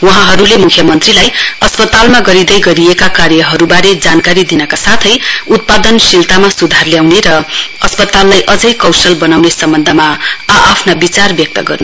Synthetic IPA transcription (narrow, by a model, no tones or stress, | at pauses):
wʌɦãɦʌɾulemukʰjʌmʌnt̪rilajʌspʌt̪almaɡʌɾid̪ʌjɡʌɾiekakaɾjʌɦʌɾubaɾed͡zankaɾid̪inʌkasat̪ʰʌjut̪̚pad̪ʌnsilt̪amasud̪ʱarljawneɾʌʌspʌt̪alːajʔʌd͡zʌjkʌwsʌlbʌnawnesʌmbʌnd̪ʱʌmaaʔːpʰnabit͡sarbjʌk̚t̪ʌɡʌrnu